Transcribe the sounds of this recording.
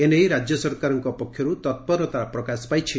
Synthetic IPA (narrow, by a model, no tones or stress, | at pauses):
enejɾad͡ʒjɔsɔɾkaɾɔŋkɔpɔkʰːjɔɾut̪ɔt̪̚pɔɾɔt̪apɾɔkaspajt͡ʃʰi